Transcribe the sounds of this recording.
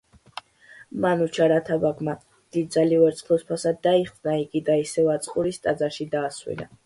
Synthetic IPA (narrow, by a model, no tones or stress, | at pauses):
manut͡ʃʰaɾat̪ʰabaɡma | d̪̥id̪̚d̪zalivɛɾt̪sʰʼχlˠɔspʰasad̪ːaiχd̪naiɡid̪aisɛvat̪sʼqʼuɾist̪ʼad̪zaɾʃid̪aːswḭna̰